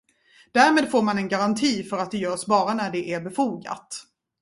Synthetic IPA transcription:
d̪̥æːɾmeːd̪foːɾmanɛnɡaɾant̪ʰiːfœɾat̪̚d̪ɛjœːʂbɑːɾanæɖɛʔæɾbɛfuːɡa̰t̪

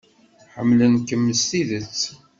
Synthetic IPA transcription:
ħəmːlənkəmːəst̪iðət͡sː

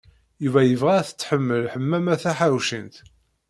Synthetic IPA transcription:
juvæjəvʁæθə̥t͡sːħəmːəlħəmːæmæθæħaɾwʃənt̪

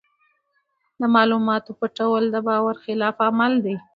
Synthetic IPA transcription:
d̪əmɑlumɑt̪opaʈawəld̪əbɑwaɾxɪlɑfamald̪e

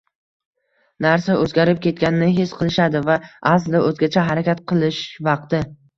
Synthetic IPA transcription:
naɾsaɵzɡʲaɾɪp̚kʲʰe̞t̪̚kʲanɪnɪɦesqʰɨlˠɪʃad̪ɪvaʔasld̪aɵzɡʲat͡ʃʰaɦaɾakʲat̪̚qʰɨlˠɪʃvɑq̚t̪ɪ

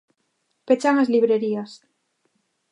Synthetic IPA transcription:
pet͡ʃaŋazliβɾeɾias

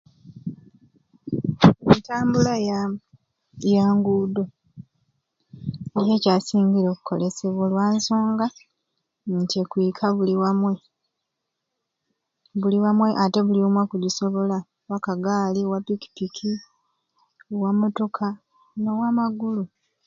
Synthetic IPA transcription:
etaːmbulaja | jaːŋɡuːdo̞ | eje̞caːsiːɲɡiɾo̞ːku̥ko̞le̞se̞βwolwaːnso̞ːŋɡa | ntiekwiːkʰaβuliwamwe̞ | βuliwamwe̞ʔate̞βuliomwakuɟiso̞βo̞la | wakaɡaːliwapiki̥pikʰi | owamoto̞kʰa | no̞wamaɡulu

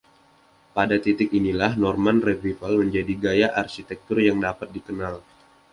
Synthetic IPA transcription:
padat̪it̪ɪkinilahnɔrmanrɛvifəlməɲd͡ʒadiɡajaʔarʃit̪ɛk̚t̪ʊrjaŋdapat̪̚dikənal

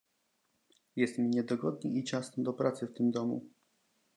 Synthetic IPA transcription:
jɛst̪mʲiɲɛd̪ɔɡɔd̪ɲḭʔit͡ɕasnɔ̃d̪ɔpɾat̪sɘft̪ɘmd̪ɔmṵ

